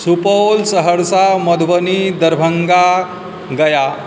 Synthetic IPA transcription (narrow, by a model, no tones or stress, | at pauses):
supolsəɦəɽsamɔd̪ʋənid̪əɾbʱəŋɡa | ɡəja